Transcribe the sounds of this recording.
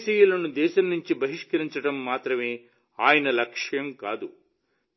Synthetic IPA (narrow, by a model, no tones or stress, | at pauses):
sijɐlɐnːud̪ɛːsɐnːiɲt͡ʃibɐɦiʂkɐɾiɲt͡ʃɐʈɐmːaːt̪ɾɐmeː | aːjɐnɐlɐkʂjɐmkaːd̪u